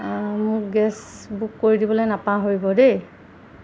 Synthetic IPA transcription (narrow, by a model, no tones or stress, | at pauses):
mʊkɡɛsbukːoɹidibɔlojnapãɦoɹibɔde